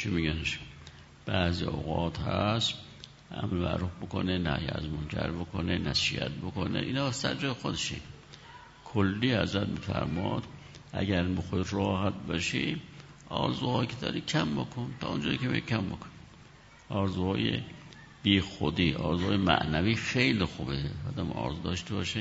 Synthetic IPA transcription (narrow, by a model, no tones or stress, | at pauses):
t͡ʃʰimiɡæneʃ | b̥æːzioɣɑːt̪hæs | æmemæ̰ʔɾufbokonenæhjeæzmonkʰæɾbokʰonenæsḭæt̪̚bokonḛʔiːnhɑːsæ̰ɾd͡ʒɒːjexod̪eʃḭ | kʰolːiːhæzɾæt̪̚miːfæ̰ɾmɒːd̪̥ | ʔæɟæɾmixoiɾɒːhæt̪̚bɒʃi | ʔɒːɾzuɑːjkʲʰed̪ɒ̰ːɾiːkʰæmbokʰont̪ʰɒːund͡ʒɒːjikʰemḭʃikʲʰæmbokʰoni | ʔɒːɾzuhɑːjḛ | b̥iːxod̪iːʔɒːɾzuɑːjemæ̰ʔnæviːfejlixuːbeɒːd̪æmɒ̰ːɾzud̪ɒːʃt̪ebɒːʃe